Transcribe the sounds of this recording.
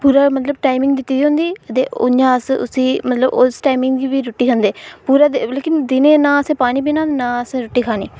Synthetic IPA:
puːɾaːmət̪ləb̚ʈaːɪmɪ̃ŋɡd̪ɪt̪ːiːd̪iːɦõnd̪iːət̪eːʊ̰ɲãːəsʊ̰siːmət̪ləbo̰ːsʈaːimɪ̃ŋɡɡibiːɾoʈːiːkʰənd̪eːpuːɾaːd̪eleːkɪnd̪ɪnẽːnãːəsẽːpaːniːbinãːnãːəsẽːɾoʈːiːkʰaːnḭː

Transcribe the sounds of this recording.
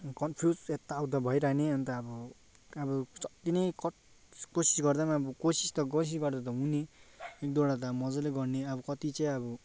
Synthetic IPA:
kʌnpʰjuset̪ːaːwd̪abʱʌjɾaneʌnt̪ʌːbɔ | ʌbɔʌt̪inʌjk | kosi̥sɡʌrd̪anaːbɔkosist̪ʌɡos̬isɡʌrd̪at̪̬ʌuneek̚d̪oɽat̪ʌmʌd͡zʌleɡʌrneʌbʌkʌt̪it͡sʌ̃j̃ʌbɔ

